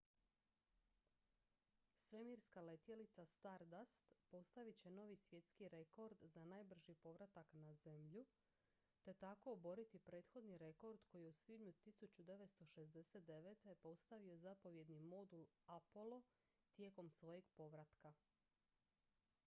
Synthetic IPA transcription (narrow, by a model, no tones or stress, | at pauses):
sʋe̞miɾskale̞t̪jelit̪sast̪aɾd̪ast̪po̞st̪aʋit͡ɕe̞no̞ʋisʋje̞t̪skiɾe̞ko̞ɾd̪zanajbr̩ʒipo̞ʋɾat̪aknaze̞mʎu | t̪e̞t̪ako̞ːbo̞ɾit̪ipɾe̞ːt̪xo̞d̪niɾe̞ko̞ɾd̪ko̞jijeusʋid̪ɲut̪isut͡ɕud̪e̞ʋet̪st̪o̞ʃe̞zd̪e̞set̪̚d̪e̞ʋe̞t̪e̞po̞st̪aʋio̞zapo̞ʋje̞d̪nimo̞d̪ul | apolˠo̞ | t̪je̞ːko̞msʋo̞jeɡpo̞ʋɾat̪ka